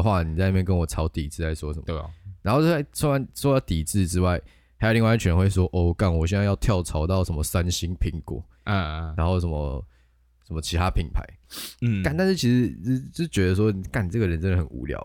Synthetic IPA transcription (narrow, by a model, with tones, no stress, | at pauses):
xwa˥˩ni˨˩t͡sa˥˧ni˥mjkə˦nwɔ˨˩t͡sʰɑ˧˥ʊt̪i˨˩t͡sɹ̩˥˩la˧˩ɪʂwɔ˦˥ʂə˨˦m˧˩˨na˧nxa˥˩t͡sʰu˥a˧˦nsɑ˥˩t̪i˨˩t͡sɹ̩˥˧ʈ͡ʂɻ̩˥wa˥˩ɪ | a˧˥jli˥˧wa˥˧˥t͡ɕʰy˨˩ə˧˦xwe˥˩ɪswɔ˥ʔɔ˥˩ka˥˩nwɔ˨˩ɕjɛ˥˧nt͡sa˥˧jɑ˥˧ʊt̪ʰjɑ˥˩ʊt͡sʰɑ˧˦ʊt̪ɑ˥˨˩ʊʂə˧˦nmə˨sa˦nɕi˥ŋpʰi˧˩˦ŋkwɔ̰˨˩˦ | a˧˦nxo˥˩ʊʂə˧˦nmə̰˧ | ʂə˧˦mə˧t͡ɕʰi˧˥t̪ʰa˦pʰi˨˩ŋpʰa̰˧˦ɪ˥˩ka˨˩nt̪a˥˧nʂ̩˥˩t͡ɕʰi˧˥ʂ̩˧˥t͡ɕjo˥˧ʂ̩˥˩t͡ɕɥɛ˧˥d̪ə˧s̬wɔ˥i˨˩ka˨˩n˩ʈ͡ʂə˥˩ɡə˩ɻə˧˦nsə˥nə˨˩xə˨˩nṵ˧˦ljɑ̰˨˩˨ʊ